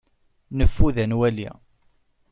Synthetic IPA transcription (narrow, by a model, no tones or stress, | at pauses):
nəfːuðænwælḭ